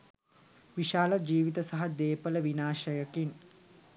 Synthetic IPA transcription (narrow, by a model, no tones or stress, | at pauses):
ʋiʃaːləd͡ʒiːʋit̪əsaɦad̪eːpələʋinaːʃəjəkin